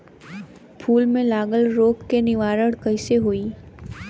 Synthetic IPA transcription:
pʰuːlmẽlaːɡəlɾoːkkenɪʋaːɾəɽkɐɪseɦoiː

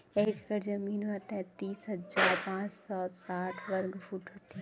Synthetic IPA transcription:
eːkɡəɾd͡ʒəmiːnmət̪ɛ̃t̪iːsɦɐd͡ʒaːɾpãːt͡ʃsɔsaːʈʰʋɐɾɡfʰuːʈɦoːt̪iɦ

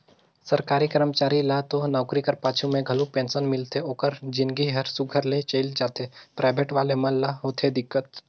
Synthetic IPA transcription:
sɐɾkaːɾikəɾəmt͡ʃaːɾilat̪onaːkɾikɐɾpaːt͡ʃʰumẽɡʱɐlupẽːnsənmɪlt̪ʰeoːkəɾd͡ʒɪnɡiɦɐɾsʊɡʱəɾlet͡ʃəɪld͡ʒaːt̪ʰepɾʔaːɪbʱeːʈʋaːlemɐnlaɦoːt̪ʰed̪ɪkːət̪̚

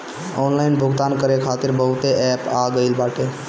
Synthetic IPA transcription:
ɔnlaɪnbʱʊɡt̪aːnkəɾekʰaːt̪ɪɾbəɦʊt̪eʔɛpaɡəɪlbaːʈe

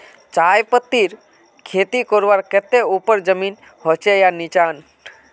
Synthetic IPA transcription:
t͡ʃajpət̪ːiɾ | kʰeːt̪ikɔɾʋaɾket̪eupəɾd͡ʒəmin | hot͡ʃejanit͡ʃaːn

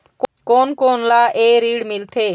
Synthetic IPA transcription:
kkoːnkoːnlaːʔeːɾiːɽmɪlt̪ʰeː

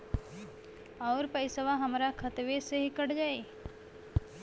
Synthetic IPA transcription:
ɔːɾpəɪsəʋaɦəmɾakʰət̪ʋeseɦikəɽd͡ʒaːe

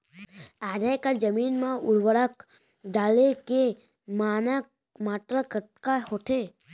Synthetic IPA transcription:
aːd̪ajkad͡ʒəmiːnmãʊɽwəɽək | ɖaːleke | maːna | maːʈɾəkət̪kahoːt̪e

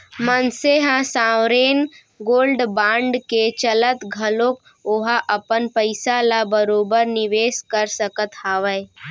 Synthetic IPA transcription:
mənseɦãsãːwɾeːn | ɡoːlɖbãːɳɖket͡ʃələt̪ɡʱɐlõːk | oɦaʔɐpənpəɪsalabəɾoːbəɾnɪʋeːskəɾsəkət̪haːʋəj

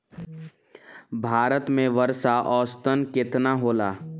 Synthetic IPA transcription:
bʱaːɾət̪mẽʋəɾʃaʔɔːst̪ənkɪt̪naɦoːlaː

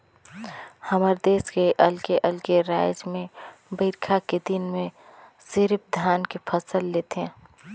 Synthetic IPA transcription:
həməɾd̪eːskeʔəlkeʔəlkeɾaːjɪd͡ʒmẽbəɪɾkʰaked̪ɪnmẽ | sɪɾp̚d̪ʱjaːnkepʰəsəlːeːt̪ɦɛ̃

